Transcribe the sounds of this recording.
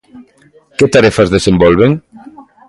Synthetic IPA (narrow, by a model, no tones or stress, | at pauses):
ket̪aɾɛfazðesembɔlβ̞eŋ